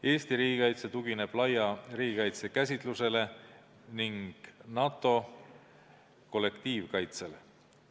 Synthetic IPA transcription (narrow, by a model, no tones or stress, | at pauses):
e̞ːst̪iɾiːɡikɑjt̪se̞t̪uɡ̥ine̞b̥lɑjɑriːɡ̥ikɑjt̪se̞kæsʲit̪ˑluse̞le̞ | niŋɡ̥nɑt̪ːˑo̞ | ko̞lːe̞kt̪iːvkɑjt̪se̞le